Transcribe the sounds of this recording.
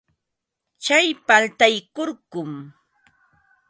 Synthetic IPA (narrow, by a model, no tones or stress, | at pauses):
t͡ʃajpalt̪ajkoɾkʊm